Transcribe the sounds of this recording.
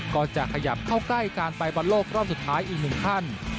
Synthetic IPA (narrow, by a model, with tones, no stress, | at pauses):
kɔː˨˩nt͡ɕa˨˩kʰa˧ja˨˩p̚kʰa˥˩wkla˥˩jkaː˧npa˧jbɔ˧nloː˥˩kɾɔː˥˩m̚su˨˩t̪ʰːaː˦˥jʔiː˨˩k̚nɯ˨˩ŋt̪ʰa˥˩n